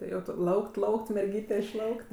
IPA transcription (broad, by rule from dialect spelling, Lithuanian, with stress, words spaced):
tʲɪ ˈjɛʊ tʊ ˈlˠɐʊkt ˈlˠɐʊkt mʲɛrʲˈɡʲiːtʲɛ ɪʃˈlˠɐʊkt